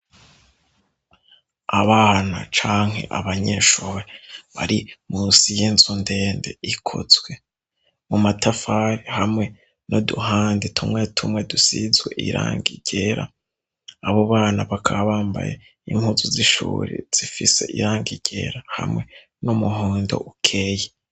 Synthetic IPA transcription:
aβanat͡ʃaːŋ̥he̞̰ʔaβaɲeːʃuːɾeβaɾimunsijinzunde̞ːnde̞̰ikʰo̰zwe̞ | mumatʰafaɾihamŋe̞ | noduhaːndetʰumŋetʰumwe̞dusizwḛʔiɾʔa̰ːŋɡiɟ̥eːɾa̰ː | βoβaːnaβakʰaβaːmba̰jḛ | iŋ̥uzuziʃṵːɾḛz̥ifise̞ʔiɾaːŋɡiɟ̥e̞̰ːɾaha̰mŋe̞ | numuɦuːndo̞̰ʔukʰeje

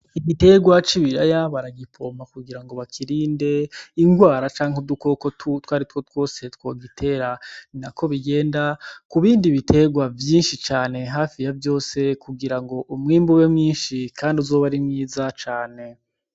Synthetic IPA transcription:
iɡite̞ɡwat͡ʃiβiɾajaβaɾaɡipʰo̞makuɡiɾaŋɡo̞βakʰiɾiːnde̞iŋɡwaːɾat͡ʃaːŋ̥uduko̞kottwaːɾitwotwo̞ːse̞twoːɡitʰe̞ɾaninakʰo̞βiɡe̞ːndakuβiːndiβitʰe̞ɡwavjiːnʃit͡ʃaːne̞ɦaːfijavjo̞ːse̞kuɡiɾaŋɡo̞ʔumŋiːmbuβemŋiːnʃikʰaːndiuzoːβaɾimŋiːzat͡ʃaːne̞

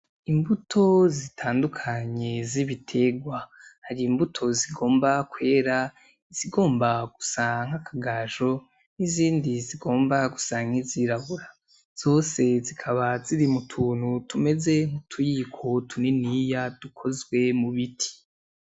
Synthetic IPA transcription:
imbutʰo̞zitʰaːndukʰaɲe̞ziβitʰe̞ɡwahaɾiːmbutʰo̞ziɡo̞ːmbakwe̞ːɾa | z̥iɡo̞ːmbaɡ̥usaŋ̥hakʰaɡaʒo̞ | niziːndiziɡo̞ːmbaɡu̥saːŋ̥iziɾaβuɾa | z̥o̞ːse̞zikʰaβaziɾimutʰuːn̥hutʰume̞ze̞ŋ̥utʰujikʰotʰuninijad̥ukʰo̞zɡwe̞muβitʰi̥

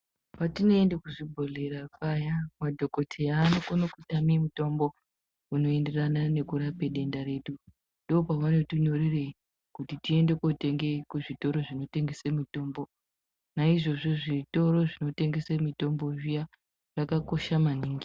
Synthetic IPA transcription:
patino̞endekuʐibʱo̞le̞ɾakajamadʱo̞ko̞tʰeaːnokonokutamimuto̞mbo̞ | uno̞e̞nde̞ranane̞kuɾape̞ɗe̞ndaɾe̞ːɗu | ndoopaʋano̞tiɲo̞ɾire̞i | kutitie̞nde̞kote̞ŋɡe̞kuʐito̞ɾo̞ʐino̞te̞ŋɡe̞semito̞ːmbo | naiʐo̞ʐo̞ʐito̞ɾo̞ʐino̞te̞ŋɡe̞semito̞mbo̞ʐija | ʐ̥akako̞ʃamaniːŋɡi

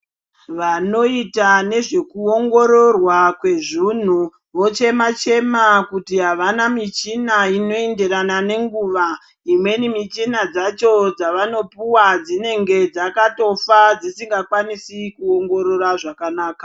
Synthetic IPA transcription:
ʋano̞itane̞ʐe̞kuo̞ŋɡo̞ɾo̞rwakwe̞ʐun̤u | ʋo̞t͡ʃe̞mat͡ʃe̞makutiɦaʋanamit͡ʃinaino̞e̞nde̞ɾanane̞ŋɡuːʋa | imwe̞nimit͡ʃinad͡zat͡ʃo̞d͡zaʋano̞puwad͡zine̞ŋɡe̞d͡zakato̞fad͡zisiŋɡakwanisikuoŋɡo̞ɾo̞raʐakanaːkḁ

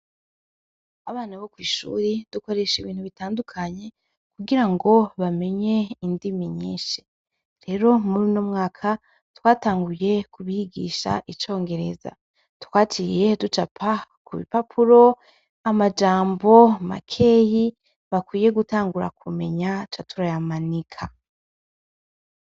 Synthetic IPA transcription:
aβaːnaβokwiːʃṵːɾid̥uko̞ɾe̞ʃiβiːnhuβitaːndukʰaɲe̞ | kuɡiɾaŋɡo̞βame̞ɲe̞indimiɲḭːʃe | ɾe̞ɾo̞muɾinoːmŋaːkʰa | twaːtaːŋɡuje̞kʰuβihiɡḭʃa̰ʔit͡ʃo̞ːŋɡe̞ɾe̞̰za̰ | tkwaːt͡ʃiːje̞dut͡ʃapʰakuβḭpapʰuɾo̞ | amad͡ʒaːmbo̞ma̰kʰe̞ːji | βakwiːje̞ɡutaːŋɡuɾa̰kume̞̰ɲat͡ʃatuɾajamanikʰa

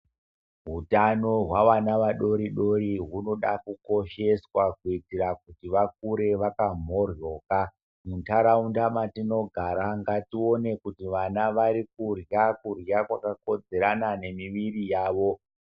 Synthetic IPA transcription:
ɦutano̞ɦwaʋanaʋaɗo̞ɾiɗo̞ɾiɦuno̞ɗakuko̞ʃe̞swakuitiɾak̚utiʋak̚uɾe̞ʋakam̤o̞rjo̞ːka | muntaɾaundamatino̞ɡʱaɾaŋɡatio̞ne̞kutiʋanaʋaɾik̚urjakurjakwakako̞d͡ze̞ɾanane̞miʋirijaːʋo̞

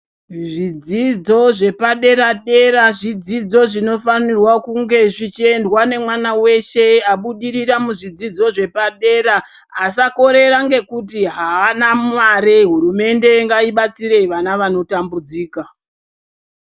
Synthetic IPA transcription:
ʐid͡zid͡zo̞ʐe̞paɗe̞ɾaɗe̞ɾaʐid͡zid͡zo̞ʐino̞fanirwakuŋɡe̞ʐit͡ʃie̞ndwane̞mwanawe̞ʃe̞aɓuɗiɾiramuʐid͡zid͡zo̞ʐe̞paɗe̞ɾaː | sako̞ɾe̞ɾaŋɡe̞kut̬iɦaːnamwaɾeɦuɾume̞nde̞ŋɡaiɓat͡siɾe̞ʋanaʋano̞tambud͡ziːka

